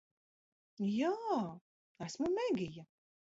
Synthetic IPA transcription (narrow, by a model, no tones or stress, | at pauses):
jaː | æsmumɛɡʲija